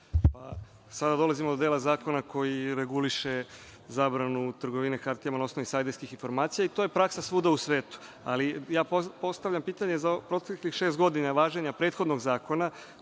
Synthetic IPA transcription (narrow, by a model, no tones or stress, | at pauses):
pa | sad̪ad̪o̞lˠazimo̞d̪od̪elazaːko̞nakʰo̞jiɾe̞ɡuliʃe̞ | zaːbɾanut̪r̩ɡo̞ʋinekaɾt̪ijamanao̞sno̞ʋisajd̪eɾskixinfo̞ɾmaːt̪sijait̪oje̞pɾaksasʋuːd̪ausʋe̞ːt̪u̥ | a̰lijaːpo̞st̪aʋʎampiːt̪aɲezapɾo̞t̪eklixʃe̞ːst̪ɡo̞d̪inaʋaːʒeɲapɾe̞ːt̪xo̞d̪no̞ɡzaːko̞na